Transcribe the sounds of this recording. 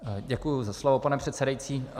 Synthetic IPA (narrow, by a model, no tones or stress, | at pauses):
ɟɛkujʊzaslovopanɛpr̝̥ɛt̪sɛdajit͡siː